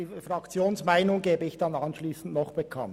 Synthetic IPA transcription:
iːfɾɑkt͡sjoːnsmaɪnʊŋɡeːbəɪçd̥ɑnɑnʃliːsn̩tnɔχb̥ekʰɑ̰n

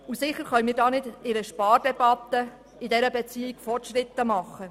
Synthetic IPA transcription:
usɪχəɾχœʏmiːɾdɑːnɪdɪɾəʃpɑːrd̥ɛb̥ɑt̪ːə | ɪdɛɾəbɛt͡siːɪkfɔrtʃɾɪt̪ːəmɑχːə

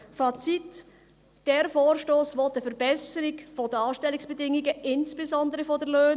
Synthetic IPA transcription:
fɑt͡sit | d̥ɛɾfoːɾʃtoːsʋɔt̪əfəɾbɛsəɾiɡfɔdəɑːʃtɛliksb̥ɛdɪŋiɡəʔɪnsb̥ezɔnd̪əɾəfɔdəɾløːn

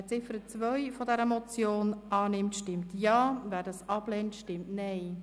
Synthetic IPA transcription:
t͡sɪfəɾət͡sʋœʏfɔdɛɾəmɔt͡sjoːnɑːnɪmtʃtɪmtjɑːvæːɾdɑsɑb̥lɛːntʃtɪmtnɛɪ

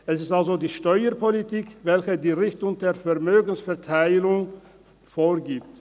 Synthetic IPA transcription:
ʔɛsɪstʔalzodiːʃtɔʏəpʰolitiːkvɛlçədiːʁɪçtʊŋdeːɐfɛɐmøːɡn̩sfɛɐtʰaɪlʊŋ | foːɐɡiːpt

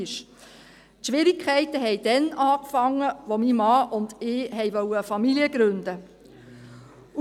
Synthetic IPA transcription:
ʃ | tʃʋɪɾikʰχɛɪtəɦɛɪd̥ɛnɑːkfɑŋːəʋomimɑːʔʊndɪːɦɛjʋœwəfɑmiliəɡ̥ɾɵnd̥ə

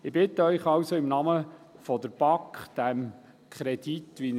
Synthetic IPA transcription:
ɪbɪt̪əœʏχɑwsoɪmnɑməfɔd̪əɾb̥ɑkd̪̥æm | kʰɾɛd̥̪it̪ʋin

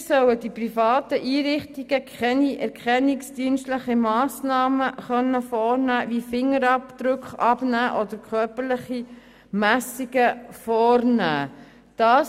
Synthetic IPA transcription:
sœwəd̥iprifɑːt̪əʔiːɾɪχtiɡ̥əkʰχɛniʔɛɾkχɛnːɪksd̥iːnstləχimɑːsnɑːməχœnːəfɔːrnæːvifɪŋːəɾɑpd̪̥ɾʉkχɑbnæːʔɔdəɾkʰχœɾpəɾləχi | mæsiɡ̥əfɔːɾnæː | d̥ɑː

